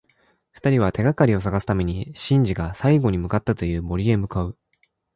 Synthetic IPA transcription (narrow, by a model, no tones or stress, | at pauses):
ɸɯ̥t̪aɾʲiβ̞at̪e̞ɡakaɾʲio̞s̬aɡasɨ̥t̪ame̞ɲ̟iɕĩɲ̟d͡ʑiɡasaiɡo̞ɲ̟imɯ̟kat̪ːat̪o̞jɯ̟ːmo̞ɾʲie̞mɯ̟kaɯ̟